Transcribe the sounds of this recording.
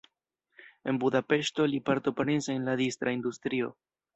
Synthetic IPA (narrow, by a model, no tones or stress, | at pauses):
e̞nbud̪ape̞ʃto̞lipaɾt̪opaɾenseenlad̪ist̪ɾaind̪ust̪ɾio̞̰